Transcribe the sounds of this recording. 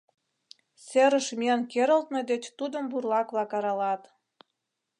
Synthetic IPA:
seɾə̆ʃmiənkeɾəlt̪ned̪et͡ɕt̪ud̪ə̆mburlɑkβlɑkɑɾɑlɑt̪

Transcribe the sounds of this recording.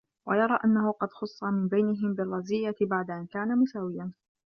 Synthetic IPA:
wajɑɾˤɑːʔanːahʊqɑd̪xʊsˤːɑmɪnbajnɪɦɪmbɪrˤːɑzɪjːat̪baʕd̪aʔankaːnamʊsaːwɪjan

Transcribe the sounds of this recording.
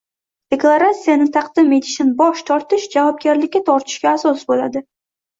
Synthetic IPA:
d̪̥e̞klˠaɾat̪sijanɪt̪ʰɑqd̪ɪme̞t̪ɪ̥ʃɪnbɒʃt̪ʰɒɾt̪ɪʃd͡ʒavɒb̚ɡʲaɾlɪkʲːat̪ʰɒɾt̪ʰɪ̥ʃkʲaːsɒsbolad̪ɪ

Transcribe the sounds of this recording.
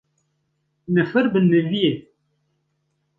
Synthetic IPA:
nəfəɾbənːəvije

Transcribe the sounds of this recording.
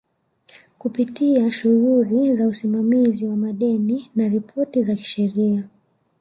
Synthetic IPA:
kupitiaʃuɣulizausimamiziwamaɗɛninaɾipʰɔtizaki̥ʃɛɾia

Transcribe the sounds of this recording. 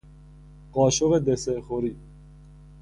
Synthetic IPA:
ɢɒːʃoɣed̪esexoɾiː

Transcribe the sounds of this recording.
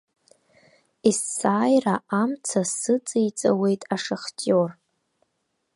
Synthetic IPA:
isːaːjraʔamt͡sʰasɨt͡sʼijt͡sʼa̰we̞jtʼaʂaχtʼor

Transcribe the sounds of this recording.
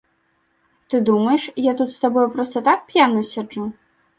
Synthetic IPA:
t̪ɨd̪umɐjɛʂjat̪ut̪st̪abɔjupɾɔst̪ɐt̪ak̚pʲjanɐsʲad͡ʐu

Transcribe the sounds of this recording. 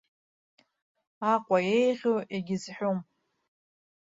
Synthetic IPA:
aqʷʼajejʁʲoeɡʲɪzħᶣom

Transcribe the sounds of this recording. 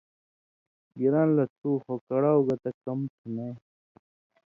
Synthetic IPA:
ɡiɾãːnlɐt̪ʰuːxokɐɽaːuɡɐt̪ɐkɐmt̪ʰune

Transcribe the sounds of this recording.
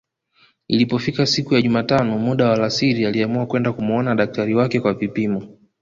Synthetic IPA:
ilipɔfikasikujaʄumaːtanɔmuɗawalasiɾialiamuakwɛndakumuɔnaɗak̚taɾiwakɛkwavipimɔ

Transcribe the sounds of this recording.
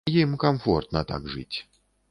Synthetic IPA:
jimkɐmfɔrt̪nɐt̪a̰ɡʐɨ̰t͡sʲ

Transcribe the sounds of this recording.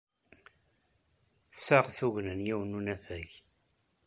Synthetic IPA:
saʁθuʝnənjiwənunæfæʝ

